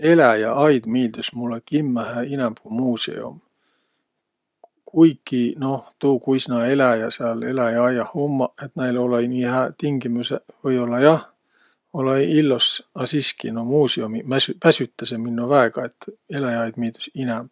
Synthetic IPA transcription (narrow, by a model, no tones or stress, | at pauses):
e̞læjɑɑjd̪̥miːld̪̥usmulːekimːæhæinæmb̥umuːsḛo̰m | kʰujkːinoht̪uːkuisnɑe̞læjɑseɑle̞læjɑɑjɑhomːɑet̪næjlolɑinihæt̪iŋɡ̥imusevɤjo̞lːɑjɑh | olɑilːosɑsiskḭnomuːseomimæsypæsyt̪ːɑseminːovæeɡ̥ɑe̞t̪ːe̞læjɑɑjd̪̥miːld̪̥ysinæmb